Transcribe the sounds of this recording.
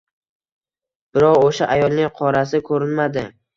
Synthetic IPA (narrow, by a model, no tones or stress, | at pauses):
b̥ɪɾɒʁoʃaʔajɒlˠnɪŋqʰɒɾas̬ɪkʰɵɾɪnmad̪ɪ